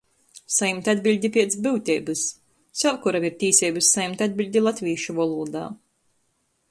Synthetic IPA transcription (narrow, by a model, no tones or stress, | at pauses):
sajmt̪ʲad̪bʲilʲd̪ʲipʲiɛt̪sbɨwt̪ʲɛːbɨs | sʲɛlkuɾamiɾt̪ʲiːsʲɛbɨsːajmt̪ʲad̪̚bʲilʲd̪ʲilˠat̪ʲvʲiːʃuvɔlˠuːd̪a̰ː